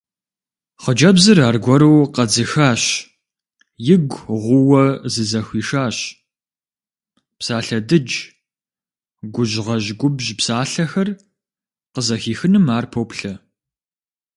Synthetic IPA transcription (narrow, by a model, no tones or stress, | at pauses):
χəd͡ʒɐbzɨraːrɡʷɔɾuwqɐd͡zɨxaːɕ | jɪɡʷʁʷʊwɐzɨzɐxʷiːʂaːɕ | psaːɬɐdɨd͡ʒ | ɡʷʊʑʁɐʑɡʷʊbʒpsaːɬɐxɐr | qəzɐxiːxɨnɨmaːrpʰowpɬɐ